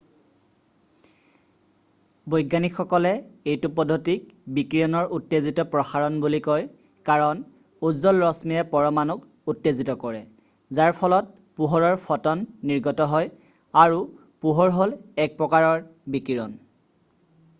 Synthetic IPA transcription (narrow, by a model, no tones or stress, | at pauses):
bojɡanixʰɔkɔlɛejtʊpɔdʱotik̚bikɹijɔnɔɹʔutːezitɔpɹɔxaɹɔnbulikɔj | kaɹɔn | uzɔlɹɔsmiɛpɔɹɔmanuk | utːezitɔkɔɹɛ | zaɹpʰɔlɔt̚ | puɦɔɹɔɹpʰɔtɔnːiɹɡɔtɔɦɔj | aɹu | puɦɔɹɦolɛk̚pɹɔkaɹɔɹbikiɹɔn